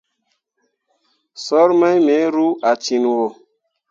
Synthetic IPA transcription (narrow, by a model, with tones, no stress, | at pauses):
sɔ˦ɾma˦jme˨˦ɾu˦a˨t͡ʃi˨n˨wo˨